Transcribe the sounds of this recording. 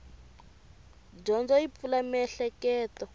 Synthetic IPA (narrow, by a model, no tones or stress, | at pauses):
ɟɔnd͡zɔip̪fulamɛɬɛkɛːtɔ